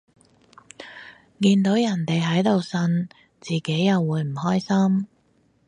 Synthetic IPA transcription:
kiː˧nt̪o˨˥wjɐ˨˩nt̪e˨jɦɐ˨˥jt̪o˨wsɐ˧n | t͡siː˨˩ke˨˥jːɐ˨wːuː˨˧jm̩˨˩hɔː˥jsɐ˥m

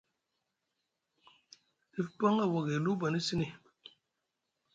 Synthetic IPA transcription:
i˦fpa˦ŋa˦˨wo˨ɣe˨lu˦ba˨ni˦si˦ni˨

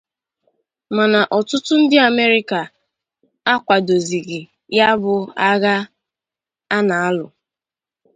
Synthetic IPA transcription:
ma˨na˨ʔɔ˨tʊ˦tʊ˦n̩˦dɪ˦a˨me˦ɾɪ˦ka˨ | a˦kʷa˨do˨zi˨ɣi˨ | ja˦bʊ˨a˦ɣa˦ | a˦na˨a˦lʊ̰˨

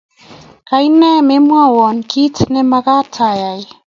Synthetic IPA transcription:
ka˨i˦nɛ˦me˦mwa˦˨wɔ˨nkʰi˦tne˦ma˦ka˦tʰa˨ja˨ɪ˦

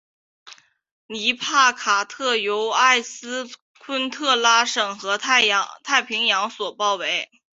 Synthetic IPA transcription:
ni˧˥pʰa˥˩kʰa˨˩t̪ʰɤ˥˩jo˧˥ʊa˥˩ɪsɹ̩˥ | kʰwə˥nt̪ʰɤ˥˩la˥ʂɤ˨˩ŋxɤ˧˥t̪ʰt̪ʰa˥˩ɪpʰi˧˥ŋjɑ˧˥ŋswɔ˨˩pɑ˥˩ʊwe˧˥ɪ

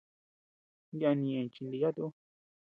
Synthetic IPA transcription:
ja˧nĩ˧ẽ˨t͡ʃi˧nd̪i˧ja˦t̪u˦

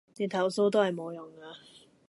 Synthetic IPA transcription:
t̪iː˨˩nt̪ʰɐ˨˩wso˥wt̪̬o˥whɐ˨˩jmo˨˧wjʊ˨˩ŋka˧

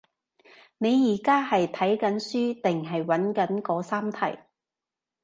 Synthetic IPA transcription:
ne˨˧jjiː˨˩kaː˥hɐ˨jt̪ʰɐ˨˥jkɐ˨˥nsyː˥t̪ɪ˨ŋɦɐ˨jwɐ˨˥nkɐ˨˥nkɔː˨˧˥saː˥mt̪ʰɐ̰˨˩j

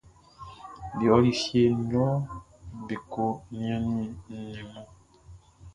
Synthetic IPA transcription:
bi˨ɔ˨˦li˨sje˦nɔ˦ | be˨ko˦nĩ˦ã˦ni˨ni˨mɔ̃˦

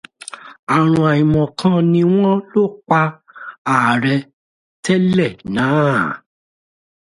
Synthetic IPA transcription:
a˨ɾ̃ũ˧a˨ĩ˨mɔ̃˨kʰã˦nĩ˧w̃ɔ̃˦lo˦˨k͡pa˧ | a˨ɾɛ˧ | tɛ˦lɛ˦˨nãː˨˦

